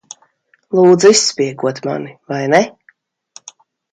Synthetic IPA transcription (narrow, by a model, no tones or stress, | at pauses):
lˠuːd̪zuisːpiɛɡuɔt̪ma̰nivajnɛ